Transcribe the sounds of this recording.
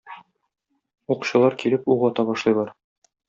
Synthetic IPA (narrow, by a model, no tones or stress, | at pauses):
uqu̥ɕɤ̆lˠɑɾkilɘpuʁɒt̪ɑbɒʃlˠɤjlˠɑɾ